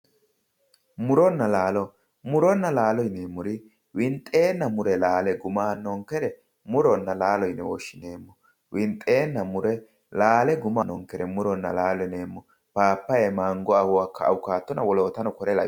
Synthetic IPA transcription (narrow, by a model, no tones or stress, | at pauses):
mʊɾɔnːɐlaːlɔ | mʊɾɔnːɐlaːlɔjneːmːɔɾɪ | wɪnt̪ʼːe̞ːnːɐmʊɾɛlaːlɛɡʊmaːnɔŋkɛɾɛ | mʊɾɔnːɐlaːlɔjnɛwɔʃːɪneːmːɔ | wɪnt̪ʼːe̞ːnːɐmʊɾɛ | laːlɛɡʊmanːɔŋkːɛɾɛmʊɾɔnːɐ̰laːlɔjne̞ːmːɔ | paːpːɐjɛmaŋɡɔahʊwakːɐ̰ːwʊkaːt̪ːɔnɐwɔloːt̪ɐnɔkɔɾɛlɐ̰